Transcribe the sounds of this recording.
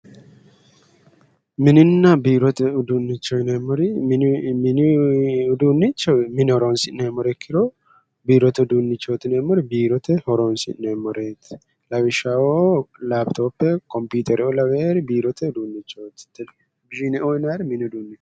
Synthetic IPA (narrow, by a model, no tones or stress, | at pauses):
mɪnɪnːabiɾɔt̪ɛʊd̪unːɪt͡ʃːojnemɔɾi | nʊd̪unːɪt͡ʃːɛmɪnhɔɾonsɪnemɔɾɛkʰːɪɾo | biːɾɔt̪ɛʊd̪unːɪt͡ʃːot̪ɪnemɔɾbiːɾɔt̪ɛhɔɾonsɪ̰nemɔɾeːt̪ | lɐwɪʃaolabt̪ʰoːpːɛkɔmpuːt̪ʰʼɛɾoːlɐweːɾbiːɾɔt̪ʰɛʊd̪uːnːɪt͡ʃːoːt̪ː | bɪʒinɛʔojnaɾmɪnʊd̪uːnːi